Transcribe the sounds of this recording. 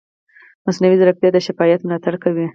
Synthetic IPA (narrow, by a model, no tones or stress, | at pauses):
masnawizɾak̚t̪jɑd̪əʃɪfɑjat̪mlɑt̪aɽkawi